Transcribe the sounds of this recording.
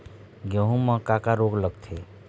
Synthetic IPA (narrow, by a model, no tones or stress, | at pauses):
ɡjə̃ɦũmə̃kakaɾoɡləɡt̪ʰe